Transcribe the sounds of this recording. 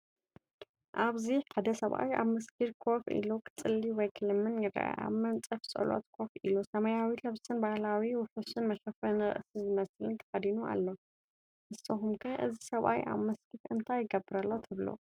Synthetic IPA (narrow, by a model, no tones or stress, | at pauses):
ʔaβziħad̪ɐsɐβʔa̰wja̰βmɐskiɾkʰo̞fḭlukʰɨ̥t͡sʼɨlːiwɔjkʰɨlɨmːɨnjɨɾɐ̰ʔʔa̰βmɐnt͡sʼɨfsʼɨ̰lo̰t̪kʰo̞filusɐmɐjawilɐβsɨnbahlawiwʊħusɨnmɐʃɐfɐnɨɾɨ̰ʔsizɨmɐslɨnt̪ʰɐ̥fɐd̪inua̰lːo̞ | ʔɨsɐxumkʰɐʔɨzisɐβʔa̰wjʔa̰βmɐskiɾʔɨnt̪ʰajɪɡɐbːɨɾɐlːo̞t̪ʰɨβlo̰